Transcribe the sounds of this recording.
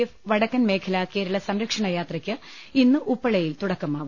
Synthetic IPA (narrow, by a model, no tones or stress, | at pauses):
ɐfʋɐɽɐkːɐnme̞ːkʰɐlake̞ːɾɐɭɐsɐmɾɐkʂɐɳɐjaːt̪rɐkʲːɨ | inːɨʔupːɐɭɐjilt̪uɽɐkːɐmaːʋ